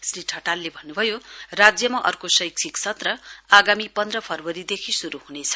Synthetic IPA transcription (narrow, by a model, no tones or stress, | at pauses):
sriʈʰʌʈalːebʱʌnːubʱʌjorad͡zjʌmaʔʌ̰rkosʌjkt͡sʰikt͡sʰʌt̪rʌaɡamipʌnd̪rʌpʰʌrwʌɾid̪ekʰisuɾuɦunet͡sʰʌ̥